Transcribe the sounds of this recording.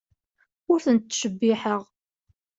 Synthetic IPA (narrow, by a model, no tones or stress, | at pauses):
ʊɾθənt̪ːʃəbːiħəʁ